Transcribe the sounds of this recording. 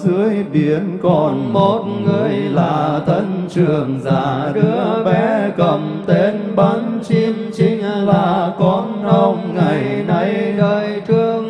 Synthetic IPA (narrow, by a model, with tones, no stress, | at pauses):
zɨ˨˧˦əjɓi˧˨˩ənkɔ˨˧˩nmo˨˩t̚ŋɨ˨˩əjlaː˨˩t̪ʰə˧nt͡ɕɨ˨˩əŋzaː˧˩t̪ɨ˧˨˦ə˦əɓɛ˧˦kə˧˩mt̪e˧˦nɓa˨˦nt͡ɕi˧mt͡ɕï˧˦ŋ̟vaː˨˩kɔ˨˦nʔə˧wŋ͡mŋa˨˩jna˧˦jɗəː˨˩jt͡ɕɨ˧əŋ